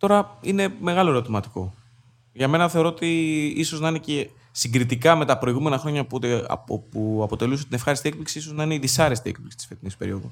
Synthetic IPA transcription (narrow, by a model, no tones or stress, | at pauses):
t̪o̞ɾɐine̞me̞ɣɐlo̞eɾo̞t̪imɐt̪i̥ko̞̰ | ʝɐme̞nɐθe̞o̞ɾoot̪iiso̞znɐine̞ce | siɡɾit̪ikɐme̞t̪ɐpɾo̞iɣume̞nɐxɾo̞ɲɐ̰opuɐpo̞t̪e̞luset̪ine̞fxɐɾist̪iek̚pliksiisoznɐineiðisɐɾe̞st̪iekpliksi̥t̪isfe̞t̪inispe̞ɾḭo̞ðu